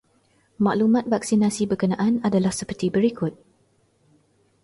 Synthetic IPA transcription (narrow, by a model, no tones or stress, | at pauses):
mã̰ʔlumãt̪̚vak̚sinãsibəkənãʔanadalahsəpərt̪ibəɾikʊt̪̚